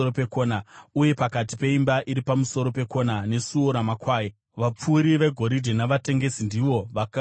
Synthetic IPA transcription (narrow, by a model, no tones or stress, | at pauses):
ɾope̞ko̞ːnauje̞pakati̥pe̞imbaʔiɾipamuso̞ɾo̞pe̞ko̞nane̞suoɾamakwaːje | ʋap͡fuɾiʋe̞ɡʱo̞ɾidʱenaʋate̞ŋɡe̞sindiʋo̞ʋak